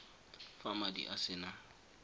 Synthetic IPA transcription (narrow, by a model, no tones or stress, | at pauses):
famadḭʔasɪna